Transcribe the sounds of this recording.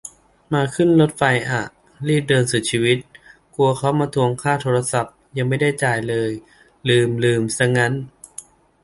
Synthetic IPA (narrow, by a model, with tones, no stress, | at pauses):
maː˧kʰɯ˥˩nlo˦˥t̪̚fa˧jʔa˨˩ | liː˥˩p̚dɤː˧nsu˨˩t͡ɕʰiː˧wi˦˥t̪̚ | ku˧ɐkʰa˦˥wmaː˧t̪ʰu˧əŋkʰaː˥˩t̪ʰoː˧ɾa˧sa˨˩p̚ja˧ŋma˥˩jda˥˩jt͡ɕaː˨˩jlɤː˧j | lɯː˧˩mlɯː˧˩msa˧˩ŋa˦˥n